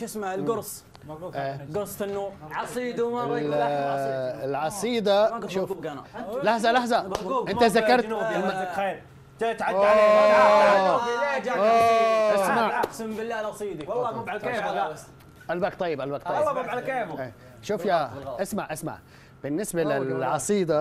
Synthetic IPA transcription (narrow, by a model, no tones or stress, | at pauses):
ʃɪsmaʕɪlɡʊɾsˤ | ʔeːɡʊɾsˤtɪnːuːɾʕsˤid̪ | ɪlʕɑsˤiːd̪aʃuː | laħzalaħzaʔɪnt̪azakɑɾˤt̪ːlmaxeːɾ | d͡ʒat̪ʕao | ed͡ʒaoʔasmaʕasmbɪlːaːlɑsˤiːd̪iwlˤːɑːbabʕaleːb | ʔalbaːkt̪ˤɑjːɪbʔalbaːkt̪ˤɑːlːɑbabʕalkeːbʔeː | ʃuːfjaʔɪsmaʕʔasma̰ʕ | b̥ɪnːɪsbalɪlʕɑsˤiːd̪a